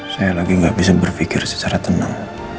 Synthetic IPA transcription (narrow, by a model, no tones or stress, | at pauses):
sajalaɡiŋɡaʔbisabərfikɪrsə̥t͡ʃaɾat̪əna̰ŋ